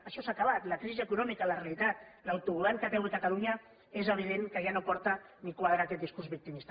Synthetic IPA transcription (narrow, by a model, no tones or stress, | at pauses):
əʃɔsaːkaβ̞at̪ləkɾiziəkunɔmikalərealit̪at̪̚lawt̪uβulaŋkət̪ɛwəkat̪aluɲa | ezəβ̞iðeŋkəʒanopɔɾt̪ənikwaðɾakɛt̪d̪iskuɾzβik̚t̪imist̪